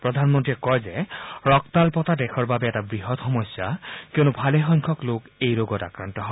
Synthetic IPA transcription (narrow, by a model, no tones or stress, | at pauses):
pɹɔd̪ʱanmɔntiɛkɔjzeɹɔkt̪alpɔt̪adɛkʰɔɹbabɛɛtabɹiɦɔt̪xɔmɔsjakewnubʱalexɔjŋkʰɔklokejloɡɔta̰kɹant̪ɔɦɔ